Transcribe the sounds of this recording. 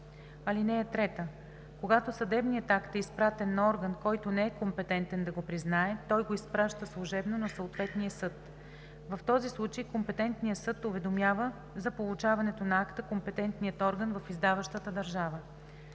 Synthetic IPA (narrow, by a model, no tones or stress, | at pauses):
ɐlinɛɛt̪ɾɛt̪ə | koɡat̪osɐd̪ɛbnijət̪akt̪ɛispɾat̪ɛnːɐɔɾɡənkɔjt̪onɛɛkompɛt̪ɛnt̪ɛnd̪ɐɡopɾiznaɛt̪ɔjɡoispɾaʃt̪əslˠuʒɛbnonɐsəot̪vɛt̪nijəsɤt̪ | vɐft̪ɔzislˠut͡ʃəjkompɛt̪ɛnt̪nijəsɤt̪ʊvɛd̪omʲjavə | zɐpolˠʊt͡ʃavɐnɛt̪onɐakt̪əkompɛt̪ɛnt̪nijət̪ɔɾɡənvɐfizd̪avəʃt̪ət̪əd̪ɐɾʒavə